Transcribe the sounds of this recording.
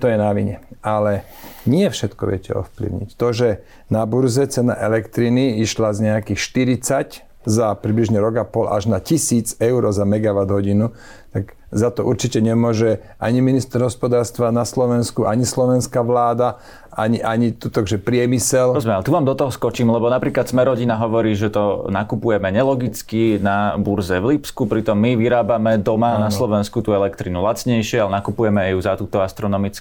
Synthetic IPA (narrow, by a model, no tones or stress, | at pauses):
t̪ɔjɛnaʋḭɲɛalɛ | ɲɪɛfʃɛt̪kɔ̰ʋɪɛ̰cɛ̰ɔ̰fplḭʊɲḭct̪ɔʒɛ | nabuɾzɛt͡sɛna̰ʔɛlɛkt̪ɾiniiʃlazɲɛakixʃt̪iɾit͡sac | zapɾibliʒɲɛɾɔɡapɔlʔa̰ʒnacisiːd͡zɛʊɾɔzamɛɡaʋad̪ɦɔɟinu | t̪aɡ | zat̪ɔʔuɾt͡ʃicɛɲɛmʊɔʒɛ | ʔaɲiminist̪ɛɾɦɔspɔd̪aːɾst̪ʋanaslɔʋɛnskuʔaɲislɔʋɛnskaʋlaːd̪a | aɲiʔaɲit̪ut̪akʒɛpɾɪɛmisɛlɔɛzmɛalɛt̪uʋaːmd̪ɔt̪ɔɦɔskɔt͡ʃiːmlɛbɔnapɾiːklat̪smɛɾɔɟinaɦɔʋɔɾiːʒɛt̪ɔnakupujɛmɛɲɛlɔɡit͡skinabuɾzɛʋlipskupɾit̪ɔmːiʋiɾaːbamɛd̪ɔmanaslɔʋɛnskut̪uːɛlɛkt̪ɾinulat͡sɲɛjʃɪɛalɛnakupujɛmɛjuzat̪uːt̪ɔast̪ɾɔnɔmit͡sk